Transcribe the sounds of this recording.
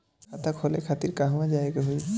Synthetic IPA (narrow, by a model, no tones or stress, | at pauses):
kʰat̪akʰɔlekʰat̪iɾkaɦmad͡ʒaekeɦuj